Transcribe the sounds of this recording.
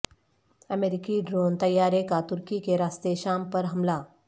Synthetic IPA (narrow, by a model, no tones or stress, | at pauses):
əmeɾikiɖɾont̪əjaɾekat̪uɾkikeɾast̪eɕampəɾɦəmla